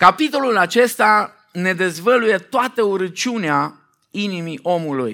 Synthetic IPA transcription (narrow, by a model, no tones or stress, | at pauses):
kapit̪o̞lulat͡ʃe̞st̪a | ne̞d̪e̞zvəluje̞t̪oat̪əuɾət͡ʃiunea | inimiʔo̞mulṵj